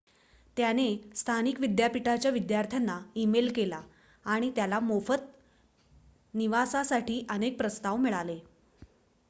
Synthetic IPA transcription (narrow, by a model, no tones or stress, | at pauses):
t̪janest̪ʰanikʋid̪japiʈat͡ɕjaʋid̪jaɾt̪ʰjanːaimelkelaː | ɽ̃it̪jalamofət̪ | niʋasasaʈiːʔənek̚pɾəst̪aʋmiɭale